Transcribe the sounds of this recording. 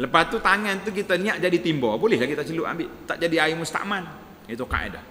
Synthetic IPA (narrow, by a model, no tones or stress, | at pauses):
ləpat̪ːut̪aŋɛnt̪uk̬it̪aniaʔd͡ʒadit̪imbɔbolɛhlakit̪at͡ʃəluʔa̰mbɪʔt̪a̰ʔd͡ʒadiaimust̪a̰ʔman | it̪uka̰ḛda